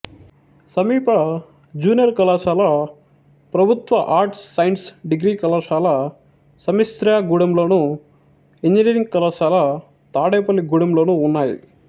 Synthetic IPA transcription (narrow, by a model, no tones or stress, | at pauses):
sɐmiːpɐ | d͡ʒuːnijɐɾkɐlaːʃaːlɐ | pɾɐbʱut̪ʋɐʔaːɾʈsːɐjnʈsɖiɡɾiːkɐlaːʂaːlɐ | sɐmist̪ɾjaɡuɽɐmlo̞ːnu | iɲd͡ʒiniːɾiŋɡ̚kɐlaːʃaːlɐ | t̪aːɽeːpɐlːiɡuːɽɐmlo̞ːnuːnːaːjḭ